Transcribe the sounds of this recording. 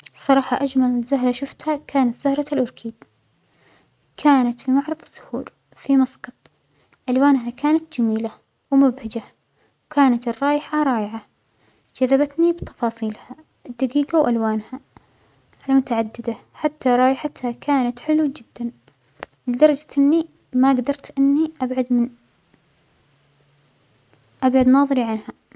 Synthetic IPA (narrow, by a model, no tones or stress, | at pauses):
sˤɑɾˤɑːħɑʔad͡ʒmalzʊɦɾˤɑʃʊft̪hakʰaːnat̪z̥ʊhɾˤɑlʔʊɾkʰiːb̪ | kʰaːnat̪fimʊʕɾˤɑðˤɑsʊ̥hṵːɾ | fimɑsɡɑt̪ˤ | ʔalwaːnɦakaːnat̪d͡ʒamiːla | wmʊbhad͡ʒa | wkaːnat̪ɪrˤːɑːjɪħaɾˤɑːjɪʕa | d͡ʒ̥aðːabat̪nibt̪ɑ̥fɑːsˤiːlha | ʔd̪ːaɡiːɡawʔalwaːnha | ʔalmʊt̪aʕad̪ːɪd̪a | ħat̪ːaɾˤɑːjɪħat̪hakʰaːnat̪ħɪluːd͡ʒɪd̪ːan | lɪd̪ɑɾˤɑd͡ʒaʔɪnːi | maɡd̪ɑɾˤt̪ʔɪnːiʔabʕad̪mɪn | ʔabʕad̪nɑːðˤɾiʕanha